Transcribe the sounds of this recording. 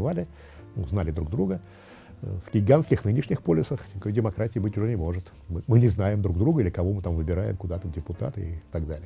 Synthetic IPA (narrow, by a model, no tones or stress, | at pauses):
valʲɪ | nuznalʲɪd̪ɾuɡ̚d̪ɾuɡə | vɡʲɪɡanskʲɪxnɨnʲɪʂnʲɪxpo̞lʲɪsəxʲɪkojdʲɪmɐkɾatʲɪjɪbɨtʲʊʐɛnʲɪmo̞ʐɨt̪ | mɨmɨnʲɪznajɪmd̪ɾuɡ̚d̪ɾuɡəilʲɪkɐvo̞mɨt̪amvɨbʲɪɾajɪ̰mkʊd̪at̪ədʲɪpʊt̪a̰t̪ɨɪt̪ɐɡd̪alʲɪə